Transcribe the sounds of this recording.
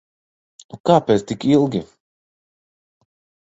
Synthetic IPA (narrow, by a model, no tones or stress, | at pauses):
ukaːpɛt̪t̪ikilˠɡʲi